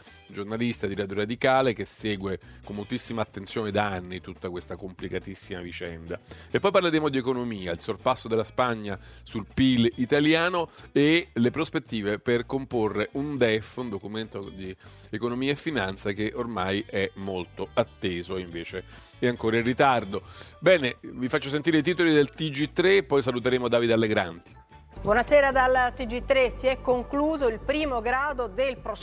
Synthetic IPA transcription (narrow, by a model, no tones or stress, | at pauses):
d͡ʒornalist̪ad̪iɾaːd̪joɾad̪ikaːlek̟esɛːɡwekomːolt̪isːimaːt̪ːent̪sjoːned̪aanːit̪ut̪ːakwest̪akomplikat̪isːimavit͡ʃɛnd̪aepːɔjp̬arleɾeːmod̪iekonomiːailsorpasːod̪elːaspaɲːasulpilit̪aljaːnoelepɾospet̪ːiːveperkomporːeʔund̪ɛfːund̪okument̪od̪iekonomiːaefːinant̪sak̟eʔormajʔɛmːolt̪oat̪ːeːzoiɱveːt͡ʃe | ɛaŋkoːɾairːit̪ard̪obɛːnevifat͡ʃːos̬ent̪̬iɾeit̪iːt̪olid̪elt̪id͡ʒit̪ːɾepːɔjsalut̪eɾeːmoad̪aːvid̪alːeɡɾa̰nt̪i̥ | bwɔnaseːɾad̪alt̪id͡ʒit̪ːɾesiɛkːoŋkluːzoilpɾiːmoɡɾaːd̪od̪elpɾo